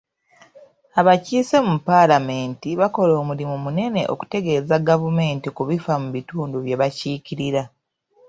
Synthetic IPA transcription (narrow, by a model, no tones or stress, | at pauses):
aβaciːsemupalame̞ːntiβako̞loːmulimumune̞ne̞ʔo̞̰ku̥te̞ɡe̞ːzaɡavume̞ːntikuβifamuβituːnduβje̞βaciːciɾiɾa